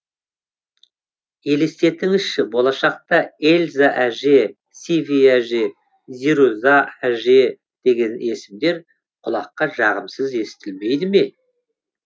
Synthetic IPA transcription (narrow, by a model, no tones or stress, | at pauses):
je̞lest̪e̞t̪ɪŋɪʃːɪbo̞lˠɑʃɑq̚t̪ɑelʲzaʔæʒe̞ | sivijæʒe̞ | ziɾuzaæʒe̞ | d̪̥e̞ɡʲe̞ne̞sɪmd̪e̞ɾ | qʰʊlˠɑqːɑʒɑʁəmsəze̞sɪ̥t̪ʰɪlme̞jd̪ɪme̞